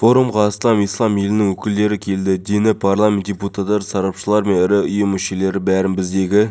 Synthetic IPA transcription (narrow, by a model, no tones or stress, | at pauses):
fo̞ɾumʁɑsˠɑmijslˠɑmje̞lɪnɪŋwɵkʲɪld̪e̞ɾɪkʲʰe̞ld̪ɪd̪enɪpʰarlˠamʲe̞nt̪̚ʲd̥ʲeput̪ɑt̪ːɑɾsɑɾɑpʃəlˠɑɾme̞nɪɾɪʊjəmːʏʃe̞le̞ɾɪbæɾɪnbɪzd̪e̞ɡʲɪ